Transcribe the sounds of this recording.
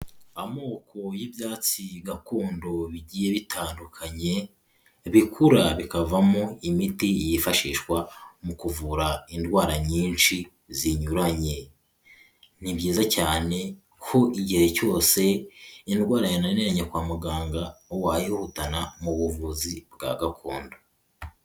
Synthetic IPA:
amo̞ːkʰo̞jibjaːt͡siɡakuːndo̞βiɟiːje̞βitʰaːndukʰaɲe̞ | βikʰuɾaβikavamoimitijifaʃiːʃkwamukuvuɾaindwaːɾaɲiːnʃi | ziɲuɾaɲe̞ | niβɟiːzacaːne̞ | kʰoʔiɟiheco̞ːse̞indwaːɾajinaneɾaɲekwaːmuɡaːŋɡaowajihutanamuβuvuzibɡa̰ɡakʰoːndo̞

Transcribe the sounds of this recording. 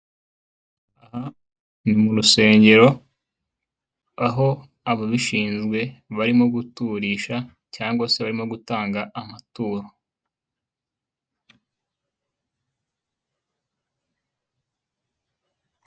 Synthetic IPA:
aha | nimuɾuse̞ːɲɟe̞ɾo̞ | aɦo̞ | aβaβiʃiːnzɡwe̞βaɾimo̞ɡutuɾiːʃa | caːŋɡwase̞βaɾimo̞ɡutaːŋɡaːmatuːɾo

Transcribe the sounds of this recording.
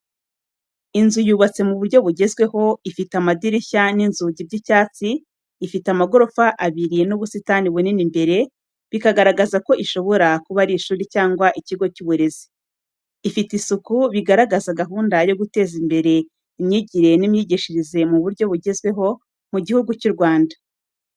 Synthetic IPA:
inzujuβat͡se̞muβuɾɟo̞βuɟe̞zɡwe̞ho̞ifitamadiɾiçaninzuɟib̚ɟicaːt͡siː | fitamaɡo̞ɾo̞faʔaβiɾinuβusitaniβuninimbe̞ɾe̞ | βikaɡaɾaɡazako̞ʔiʃo̞βo̞ɾakuβaɾiːʃuːɾicaːŋɡwaʔiciɡo̞cuβuɾe̞zi | ifitisukuβiɡaɾaɡazaɡaɦuːndajo̞ɡute̞ːzimbe̞ɾe̞ | imɲiɟiɾe̞nimɲiɟiʃiɾize̞muβuɾɟo̞βuɟe̞zɡwe̞ɦo̞ | muɟihuɡucuɾɡwaːnda

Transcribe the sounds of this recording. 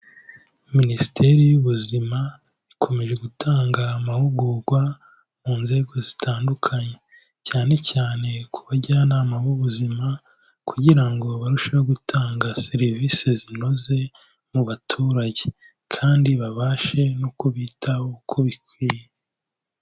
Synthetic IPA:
minisi̥tʰe̞ɾijuβuzima | ikʰo̞me̞ʒe̞ɡutʰaːŋɡamahuɡuɾɡwa | muːnze̞ːɡo̞zitʰaːndukʰaɲe̞ | caːne̞caːne̞kʰuβaɟaanaːmaβuβuzima | kuɟiɾaŋɡo̞βaɾuʃeβoɡutʰaːŋɡase̞ɾivisezino̞ze̞ | muβatʰuːɾaɟe | kʰaːndiβaβaːʃe̞nokoβiːtʰahookʰo̞βikwiːje

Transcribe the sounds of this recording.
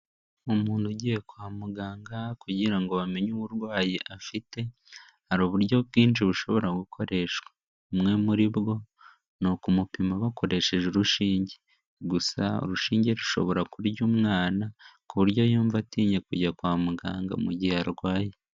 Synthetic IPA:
omuːnhuɟijekwaːmuɡaːŋɡakuɟiɾaŋɡoβame̞ɲuβuɾwaːjeʔafite̞ | haɾoːβuɾɟo̞kɡiːnt͡ʃiβuʃo̞βo̞ɾaɡukʰo̞ɾe̞ʃwḁ | mŋe̞muɾiβɡo̞ | nokumupimaβakʰo̞ɾe̞ʃe̞ʒuɾuʃiːɲɟe̥ | ɡusa̰o̰ɾuʃiːɲɟeɾuʃo̞̰βo̞ɾakuɾɟumŋaːnakuβuɾɟo̞juːɱvatiːɲe̞kuɟakwaːmuɡa̰ːŋɡa̰muɟiaɾɡaːje

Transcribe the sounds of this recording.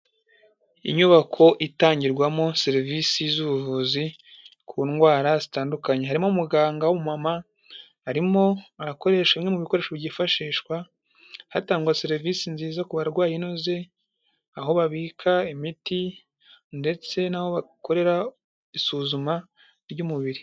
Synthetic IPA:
ḭɲuβakʰo̞ʔitaːɲɟiɾɡwamoseɾiviːsizuβuvuːzi | kʰuːnɡwaːɾazitaːndukaɲe̞ɦaɾimo̞muɡaːŋɡawomumama | haɾimo̞aɾako̞ɾe̞ːʃamŋe̞muβiko̞ɾe̞ːʃo̞βɟifaʃiːʃwa | hataːŋɡwaseɾivisinziːzakuβaɾɡwaːjinoze̞ | aɦo̞βaβiːkʰaemiti | nde̞t͡se̞naho̞βako̞ɾe̞ɾa | isuːzuma | ɾɟuːmuβiɾi

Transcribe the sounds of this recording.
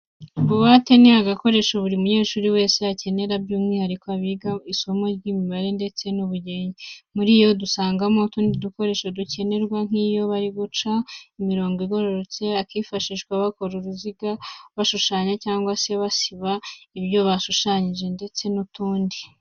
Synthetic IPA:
ɡuβate̞niaɡako̞ɾe̞ʃuβuɾiumuɲe̞ːʃuːɾiwe̞ːseace̞ne̞ɾabɟuːmŋiːhaɾikoaβiɡaiso̞mo̞ɾɟimiβaɾe̞nde̞t͡se̞nuβuɟe̞ːɲimuɾijo̞dusaːŋɡamo̞tuːndiduko̞ɾe̞ːʃoduce̞ne̞ɾɡwaŋ̥iːjo̞βaɾiɡut͡ʃaimiɾo̞ːŋɡiɡo̞ɾoɾot͡se̞akiːfaʃiʒɡwaβako̞ɾuɾuziɡaβaʃuʃaːɲecaːŋɡwase̞βasiβaiβjo̞βaʃuʃaɲiʒe̞nde̞t͡se̞nutuːndi

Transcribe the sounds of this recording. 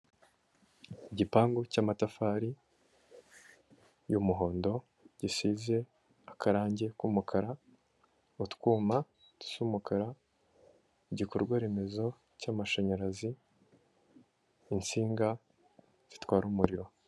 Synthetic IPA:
iɟipaːŋɡocaːmatafaːɾi | jumuɦo̞ːndo̞ | ɟ̥isize̞ | akʰaɾaːɲɟe̞kumukʰaɾa | utkuːma | tu̥suːmukʰaɾa | iɟikoɾɡwaɾe̞me̞zo̞ | caːmaʃaɲaɾazi | nt͡siːŋɡa | z̥i̥twaːɾuːmuɾiɾo̞

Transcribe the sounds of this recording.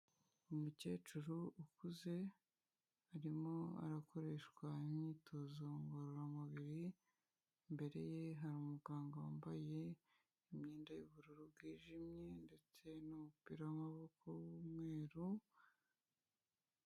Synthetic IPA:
umuce̞̰ːt͡ʃuɾuukuze̞ | aɾimo̞a̰ɾako̞ɾe̞ʃkwaimɲiːtʰo̞zo̞ŋɡoɾoɾamuβiɾi | mbe̞ɾe̞̰je̞ɦaɾuːmuɡaːŋɡawaːmbaje̞ | imɲiːndajuβuɾuɾubɡiːʒimɲe̞nde̞t͡se̞numupiːɾawamaβo̞kʰo̞wumŋe̞ːɾu

